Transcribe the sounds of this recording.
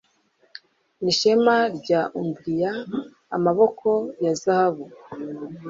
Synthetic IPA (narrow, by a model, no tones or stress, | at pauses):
niʃemaɾɟaʔumbɾija̰ː | maβo̞kʰo̞jazahaβu